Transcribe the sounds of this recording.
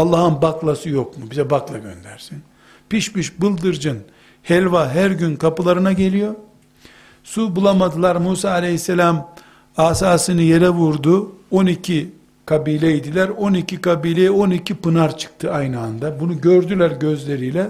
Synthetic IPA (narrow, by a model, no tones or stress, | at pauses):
alˠːaɦɯnbaklˠasɯjo̞kmubizɛbaklˠaɟønd̪æɾsin | piʃmiʃbɯlˠd̪ɯɾd͡ʒɯn | hɛlʲvaɦæɾɟynkʰapɯlˠaɾɯnaɟe̞lʲijo̞ | subulˠamad̪ɯlˠaɾmuːsaːlʲejhisːelʲam | aːsaːsɯnɯjeɾɛvuɾd̪uo̞nicʰi | kʰabiːlʲɛid̪ilʲæɾo̞nicʰikabiːlʲejo̞nicʰipɯnaɾt͡ʃʰɯ̥k̚t̪ʰɯajnɯand̪abunuɟø̞ɾd̪ylʲæɾɟø̞zlʲe̞ɾijlʲɛ